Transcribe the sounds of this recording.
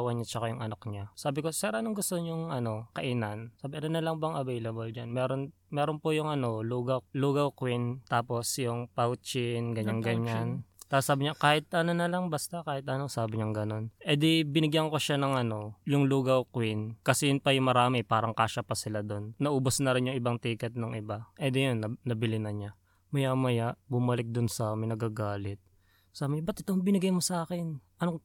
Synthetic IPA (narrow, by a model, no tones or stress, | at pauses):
wɐɲɐt͡ʃɐkajʊŋʔɐnakɲasaːbɪko̞sɛɾʔɐnoŋɡʊst̪oɲʊŋʔɐno̞kɐʔɪnɐnsaːbɪʔɐnonɐlɐŋbɐŋʔɐvɛjlɐbold͡ʒanmɛːɾo̞n | mɛːɾonpʊjʊŋʔɐno̞luːɡɐluːɡɐwkwint̪aːpo̞sjʊŋpawt͡ʃɪnɡɐɲːaŋɡɐɲːant̪asaːbɪɲakaːhɪt̪̚ʔɐnonɐlɐŋbɐst̪akaːhɪt̪̚ʔɐnosaːbɪɲɐŋɡɐno̞nʔɛd̪ɪbɪnɪɡjɐŋkoʃanɐŋʔɐno̞jʊŋluːɡɐwkwɪnkɐsɛjʊnpɐjʊŋmɐɾaːmɪpaːɾɐŋkaːʃɐpɐsɪlad̪o̞nːɐʔuːbosnɐɾɪnjʊŋʔɪbaŋt̪iːkɛt̪̚noŋʔɪbaʔɛd̪ɛjonːɐːɐbɪlɪnɐɲa | mɐjamɐjaʔbʊmɐlɪk̚d̪ʊnsɐmɪnɐɡaɡaːlɛt̪̚ | saːbɪɲabɐt̪̚ɪt̪oŋbɪnɪɡajmosɐʔaːkɪnʔɐno